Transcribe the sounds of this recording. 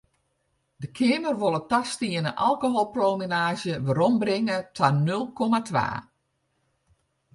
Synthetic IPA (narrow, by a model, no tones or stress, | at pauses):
dəkʰɪːmərʋolˠətastiənəʔalˠkoɦolˠprolˠmenaːʒjəʋəɾɔmbrɪŋətʰanølˠkʰɔmatʋa̰ː